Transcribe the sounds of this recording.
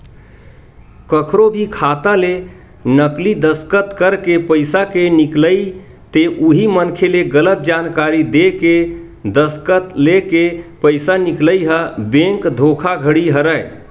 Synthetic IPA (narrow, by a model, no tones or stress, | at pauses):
kəkʰɾobʱikʰat̪ale | nəklid̪əskət̪kəɾkepəɪjsakenikləj | t̪eʔuɦimənkʰeleɡələt̪̚d͡ʒankaɾid̪eke | d̪əskət̪lekepəɪsanikləiɦəbẽŋkd̪ʱokʰaɡʱəɽiɦəɾəj